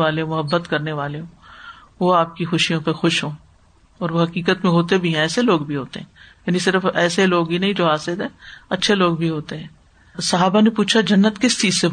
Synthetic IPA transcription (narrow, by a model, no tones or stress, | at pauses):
ʋaːleɦõmʊɦəbːət̪kɐɾneʋaːleɦõː | ʋoaːp̚kixʊʃijõpexʊʃɦõː | ɔːɾʋoɦɐkiːkət̪mẽɦoːt̪ebʱiɦɛ̃ɛːseloːɡbʱiɦoːt̪ḛɦɛ̃ːjaːnisɪɾəfɛːseloːɡbinɐɦĩd͡ʒoːɦaːsɪd̪ɦɛ̃ːɐtːʃʰeloːɡbʱiɦoːt̪eɦɛ̃ː | sɐɦaːbanepuːt͡ʃʰad͡ʒɐnːət̪kɪst͡ʃiːzse